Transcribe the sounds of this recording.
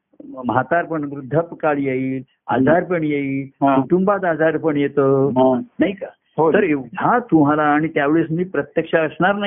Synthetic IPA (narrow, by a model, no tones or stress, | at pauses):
mɦat̪aɾpəɳʋɾud̪ʱːəpkaljeil | a̰d͡zaɾpəɳjeiɦkuʈumbat̪ad͡zaɾpəɳjet̪əːɦnaɦika | ɦot̪əɾeat̪um̤alaːɽ̃it̪jaʋeɭesmiːpɾət̪jəkʂaəsɳaɾna